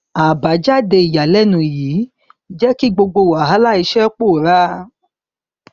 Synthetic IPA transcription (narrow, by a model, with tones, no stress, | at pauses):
a˨ba˨˦d͡ʒa˦de˧i˨ja˨lɛ˦nũ˧˨jiː˨˦ | d͡ʒɛ˦ki˦ɡ͡bo˧ɡ͡bo˧˨wa˨ɦa˨˦la˦i˧ʃɛ˦k͡po˦˨ɾa˦